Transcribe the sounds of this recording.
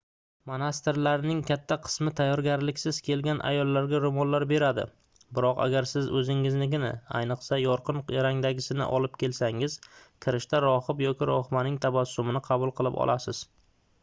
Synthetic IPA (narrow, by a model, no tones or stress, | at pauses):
manast̪ɪɾlaɾnɪŋkʲʰat̪ʰːaqʰɨ̥smɪt̪ʰajːɒɾɡʲaɾlɪkʲsɪz̥kʲʰe̞lɡʲanʔa̰jɒlˠːaɾɡʲaɾomɒllːaɾbe̞ɾad̪ɪ̰ | bɪɾɒqa̰ɡʲaɾsɪzɵzɪŋɪznɪɡʲɪna̰a̰jnɨqsajɒɾqɨnjaɾaŋd̪aɡʲɪsɪnɪ̰ʔɒ̰lɪp̚kʲʰe̞lsaŋɪz̥kʲʰɪɾɪʃt̪aɾɒhɨpjɒkʲɪɾɒχmanɪŋt̪ʰabasːʊmɪnɪqʰɑbʊlˠqʰɨlˠɪpɒ̰lˠʔasɪz̥